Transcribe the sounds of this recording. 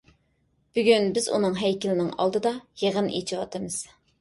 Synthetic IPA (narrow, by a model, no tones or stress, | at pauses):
b̥yɡʲynbɪzṵnɨŋɦɛjkʲɪlɪnɪŋɑ̰lˠd̪ɨd̪ɑjeʁənʔḛt͡ʃʰiwɑt̪ʰɨmɨz̥